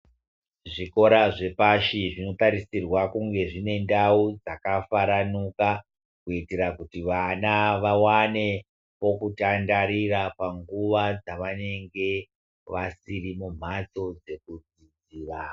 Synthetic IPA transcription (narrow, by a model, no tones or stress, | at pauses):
ʐiko̞ɾaʐe̞paʃiʐino̞taɾisirwakuŋɡe̞ʐine̞ndaud͡zakafaɾanuka | kuiteɾakutiʋanaʋawane̞ | po̞kutandaɾirapaŋɡuʋad͡zaʋane̞ŋɡe̞ | ʋasirimum̤at͡so̞d͡ze̞k̚ud͡zid͡ziːra